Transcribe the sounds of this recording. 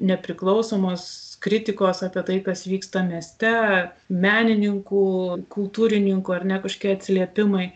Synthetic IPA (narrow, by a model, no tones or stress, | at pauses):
nʲɛpʲɾʲɪklˠɒʊsoːmoːskɾʲɪt̪ʲɪkoːsɑːpʲiɛt̪ɐɪkɐsʋʲiːkst̪ɐmʲiɛsʲt̪ʲɛ | mʲæːnʲɪnʲɪŋkuːkʊlˠt̪uːɾʲɪnʲɪŋkuːɐrʲnʲɛkɐʃkʲiɛɐt̪ʲsʲɪlʲiɛpʲɪmɐɪ